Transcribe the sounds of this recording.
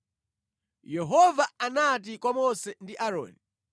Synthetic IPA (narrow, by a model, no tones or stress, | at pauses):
jɛɦɔvaanat̬ikwamɔsɛndiʔaɾɔ̰ːni